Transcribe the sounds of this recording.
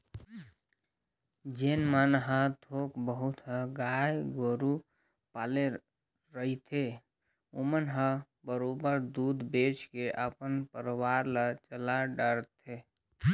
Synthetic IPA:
d͡ʒenmənɦə̃t̪ʰokbəɦut̪ɦə̃ɡajɡoɾu | pale | ɾəɦit̪ʰe | omənɦə̃ | bəɾobəɾd̪ud̪bet͡ʃkeʔəpənpəɾəwaɾlət͡ʃəlaɖəɾt̪e

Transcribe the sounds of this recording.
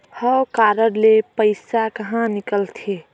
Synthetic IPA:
həwkaɾəɽlepəɪsakəɦãnikəlt̪ʰie

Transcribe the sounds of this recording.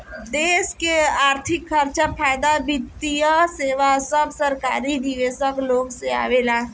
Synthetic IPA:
d̪eːskeaːɾt̪ʰɪkʰːɐɾt͡ʃapʰaːjd̪abid̪ijəseːʋasəbsɐɾkaːɾid̪iʋeːsəkloːɡsea̰ːʋela

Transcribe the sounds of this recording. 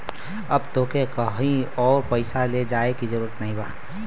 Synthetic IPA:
ɐbt̪oːkekɐɦĩɔːɾpəɪsaled͡ʒaːekizəɾuːɾət̪nɐɦĩba̰ː

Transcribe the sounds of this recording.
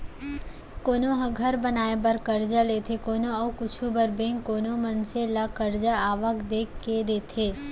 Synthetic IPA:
koːnõɦɐɡʱɐɾbənaːebɐɾkəɾd͡ʒaleːt̪ʰekoːnoɔːkʊt͡ʃʰubəɾbẽːŋkoːnomɐnselakəɾd͡ʒaaːʋəkd̪eːkːed̪eːt̪ʰeː

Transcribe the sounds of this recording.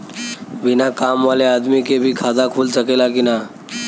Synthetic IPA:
ʋɪnakaːmʋaːleaːd̪mikebʱikʰaːd̪akʰuːlsəkelakina

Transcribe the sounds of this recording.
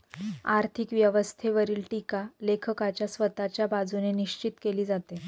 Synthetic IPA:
aɾt̪ʰikʋjəʋəst̪ʰeʋəɾiːlʈikalekʰəkat͡ɕjasʋət̪at͡ɕjabad͡zuneniɕt͡ɕit̪keliːd͡zat̪e

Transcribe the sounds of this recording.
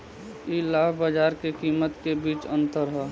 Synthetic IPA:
ilaːbbad͡ʒaːɾkekiːmət̪kebiːt͡ʃə̃nt̪əɾɦɛː

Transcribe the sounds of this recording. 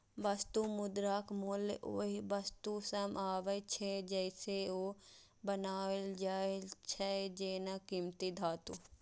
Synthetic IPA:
bɐst̪umʊd̪ɾaːkmulʔoːɦibɐst̪usɐmaːʋəjt͡ʃʰed͡ʒɐɪseoː | bɐnaːeld͡ʒaːet͡ʃʰɐed͡ʒeːnakimt̪id̪ʱaːt̪u

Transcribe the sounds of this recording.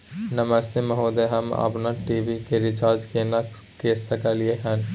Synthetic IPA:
nɐməst̪emɐɦoːd̪eɦɐmɐ̰pnaʈiːʋikeɾɪt͡ʃaːɾd͡ʒkeːnakeːsɐkalieɦɛːn

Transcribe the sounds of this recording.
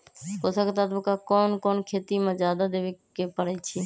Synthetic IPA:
kosaket̪at̪məkakɔːnkoːnkʰeːt̪imẽd͡ʒjad̪ad̪eʋekepəɽɛt͡ʃʰi

